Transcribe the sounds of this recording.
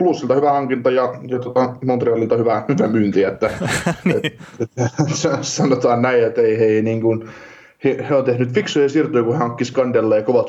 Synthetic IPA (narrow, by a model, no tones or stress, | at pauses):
plusːilt̪ɑhyʋæhɑŋkint̪ɑjɑjɑt̪ot̪ɑmont̪riɑlilt̪ɑhyʋæhyʋæmyːnt̪iet̪ːæetesɑsɑnot̪ɑːnnæiet̪eiheiniːŋkun | hiheont̪ehnyt̪fiksujɑsirt̪uikuhehɑŋkːiskɑndelːeːjɑkoʋɑt̪